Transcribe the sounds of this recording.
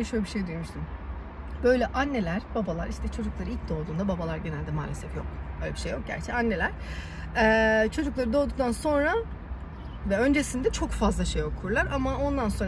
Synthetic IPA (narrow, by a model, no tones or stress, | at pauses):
ʃølʲebiʃejd̪yjo̞muʃsun | b̥ø̞jlʲɛʔanːe̞lʲæɾ̥babalˠaɾiʃt̪ʰɛt͡ʃʰo̞d͡ʒuklˠaɾɯilc̚d̪o̞ːd̪uːnd̪ababalˠaɾɟe̞nælʲd̪ɛma̰ːlʲesɛfjok̚bøjlʲebiʃejːok̚ɟæ̰ɾt͡ʃʰɛanːe̞lʲæɾ̥ | ɛːt͡ʃʰo̞d͡ʒuklˠaɾɯd̪o̞d̪uk̚t̪ʰanso̞nɾa | vɛø̞nd͡ʒe̞sind̪ɛt͡ʃʰo̞kfazlˠaʃejo̞kʰuɾlˠaɾamao̞nd̪anso̞n